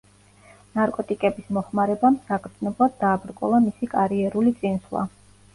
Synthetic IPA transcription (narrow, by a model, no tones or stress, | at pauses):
naɾkʼɔt̪ʼikʼɛbismɔχmaɾɛbamsakʰɾd̪znɔblˠad̪̚ːaːbɾkʼɔ̰lˠamisikʼaɾiɛɾulit̪sʼinslˠa̰